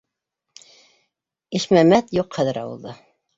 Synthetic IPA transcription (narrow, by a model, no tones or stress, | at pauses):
iʃmæmæt̪juqχæðɘɾɑ̰wɤ̰̆lˠd̪ɤ